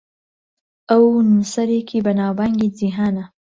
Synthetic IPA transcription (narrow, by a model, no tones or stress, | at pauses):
awnsaɾekʰibanɑbaŋɡid͡ziɦana